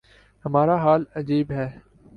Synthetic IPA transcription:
hɐmaːɾaɦaːlɐd͡ʒiːbɦɛː

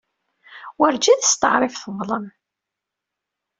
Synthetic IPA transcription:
wəɾd͡ʒæðəst̪əʕɾˤɪfθəvˤlˤəm

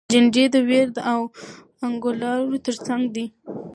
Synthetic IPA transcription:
d͡ʒɪɳd͡ʒed̪əweɾd̪əaw | aŋɡʊlɑɾot̪əɾt͡saŋɡd̪i

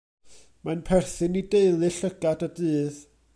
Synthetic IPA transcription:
manpʰɛrθɨnideɨlˠɨɬəɡ̥adədɨːð

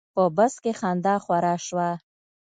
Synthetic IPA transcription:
pəbəskexɑnd̪ɑxwaɾɑʃwa

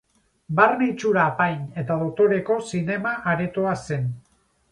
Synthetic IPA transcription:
barnet͡ʃuɾaːpajne̞t̪aðo̞t̪o̞ɾe̞ko̞sine̞maʔaɾet̪oase̞n

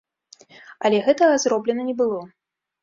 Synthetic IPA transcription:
ɐlʲɛɣɛt̪ɐɐzrɔblʲɛnɐnʲɛbɨlˠɔ

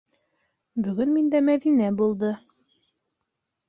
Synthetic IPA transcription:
bɵ̆ɡɵnmind̪æmæðinæbulˠd̪ɤ

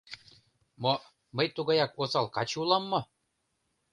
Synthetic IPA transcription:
mo | məjt̪uɣɑjɑkosɑlˠkɑt͡ɕulˠɑmːɤ̆

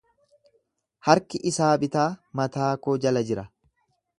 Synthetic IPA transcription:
hɐɾkɪʔɪsaːbɪt̪aːmɐt̪aːkoːd͡ʒɐlɐd͡ʒɪɾɐ

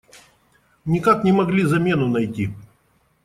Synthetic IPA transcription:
nʲɪkaknʲɪmɐɡlʲizɐmʲe̞nʊnɐjtʲi

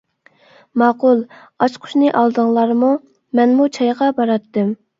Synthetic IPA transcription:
mɑːqulˠ | ɑt͡ʃqʰʊ̥ʃnɨʔɑlˠd̪əŋlˠɑɾmu | mɛnmut͡ʃʰɑjʁɑbɑɾɑt̪ːɨm

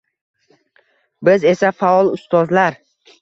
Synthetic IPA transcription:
bɪze̞safaɒlˠʊst̪ɒzlaɾ

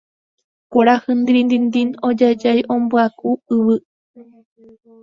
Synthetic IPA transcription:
kʷaɾahɨnd̪ɾind̪ind̪inod͡ʒad͡ʒajʔõmbɨakuɨβɨ

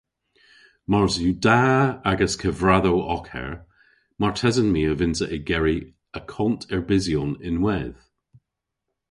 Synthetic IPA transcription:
maɹzjʉdaaɡəskʰəvɹaðoʔɔkʰɛ̰ɹ | maɹtʰɛzənmiːəvɪnzəʔɪɡɛɹi | əkʰɔntʰɛɹbɪziɔnɪ̃nwɛð̥

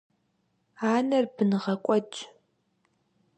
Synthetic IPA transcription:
aːnɐrbɨnɨʁɐkʷʼɔt͡ʃʼ

